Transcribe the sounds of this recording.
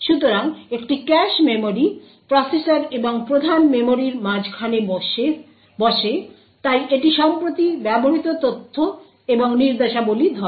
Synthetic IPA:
ʃut̪oɾaŋekʈikɛʃmemoɾi | pɾɔsesaɾeboŋpɾod̪ʱanmemoɾiɾmãd͡ʑkʰaneʃe | bɔʃe | t̪ajʔeʈiʃɔmpɾot̪ibɛboɦit̪ot̪ot̪ʰːo | eboŋniɾd̪eʃabolid̪ʱɔ

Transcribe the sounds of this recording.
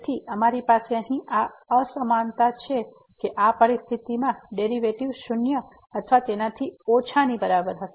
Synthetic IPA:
t̪ʰiʔəmaɾipaseəɦĩʔaəsəmant̪at͡ʃʰe | keʔapəɾist̪ʰit̪imãɖeɾiʋeʈiʋʃʊnjə | ət̪ʰʋat̪enat̪ʰiot͡ʃʰanibəɾabəɾɦəe

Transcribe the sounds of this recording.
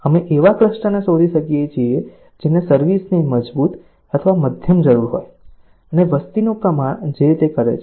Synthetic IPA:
əmeʔeʋakɾəʃʈənesod̪ʱiʃəkijet͡ʃʰie | d͡ʒenesəɾʋisniməd͡ʒbut̪ | ət̪ʰəʋaməd̪ʱjəmd͡ʒəɾuɾɦo̰j | əneʋəst̪inukamãd͡ʒet̪ekəɾḛt͡ʃʰ

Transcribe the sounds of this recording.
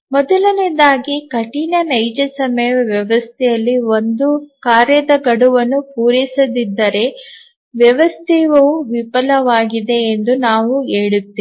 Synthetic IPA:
mɔd̪ɐlɐnid̪aːɡikɐʈinɐnɐjd͡ʒɐsɐmɐjɐʋjɐʋɐst̪ʰɛjɐlːio̞nd̪ukaːɾjɐd̪ɐɡɐɽuʋɐnːupuːɾisɐd̪id̪ːɐɾe̞ | ʋjɐʋɐst̪ʰɛʋɐʋuʋipɐlɐʋaːɡid̪e̞ːnd̪unaːʋueːɭut̪ːi

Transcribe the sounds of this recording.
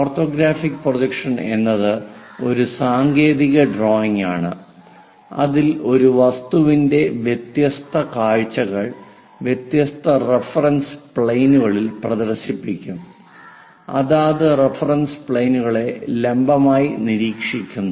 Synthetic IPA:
orto̞ːɡɾaːfikːprodɐkʂɐne̞nːɐðɨo̞ɾusaːŋɡe̞ːðiɣɐɖro̞ːjiŋa̰ːɳɨ̰ | ɐ̰ðilo̞ɾuʋɐst̪uʋinde̞ʋjet̪jɐst̪ʰɐkaːɻt͡ɕːɐɣɐɭ | ʋjet̪jɐst̪ʰɐre̞fɐrɐnspɭejnuɣɐɭilprɐðɐrɕipːikʲːum | ɐ̰ðaːðɨrefɐrɐnspɭejnuɣɐɭe̞le̞mbɐmaːjiniɾiːkʂikʲːunːɐ

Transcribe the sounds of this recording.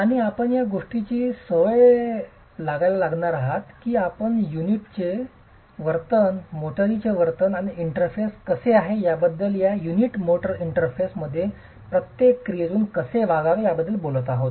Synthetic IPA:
aɽ̃iapəɳjaɡoʂʈit͡ɕiːsəʋəj | laɡajlalaɡɳaɾaɦat̪kiːapəɳjuniʈ̚t͡ɕe | ʋəɾt̪ənmoʈəɾit͡ɕeʋəɾt̪ənaɽ̃iiɳʈəɾfeskəseaɦejabəd̪ːəljajuniʈmoʈəɾiɳʈəɾfesməd̪ʱːje | pɾət̪jekːɾijed͡zuːnkəseʋaɡaʋejabəd̪ʱːəlbolət̪aɦot̪

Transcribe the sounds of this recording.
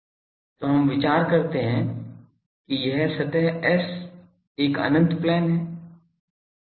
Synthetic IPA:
t̪oːɦɐmʋɪt͡ʃaːɾkɐɾt̪eɦɛ̃ | kijɐɦsɐt̪ɛɦɛs | eːkə̰nə̃nt̪plɛːnɦɛː

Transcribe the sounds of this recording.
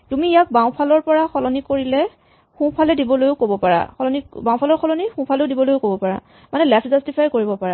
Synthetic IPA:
tumiːjak̚baw̃pʰalɔɹpɔɹaxʰɔlɔnikoɹilɛ | xũpʰalɛdibɔlojʊkobɔpaɹa̰xʰɔlɔnikbãw̃pʰalɔɹkʰɔlɔnixũpʰalɛʊdibɔlojʊkobɔpaɹa̰ | manɛlɛpʰzastipʰajkoɹibɔpaɹa

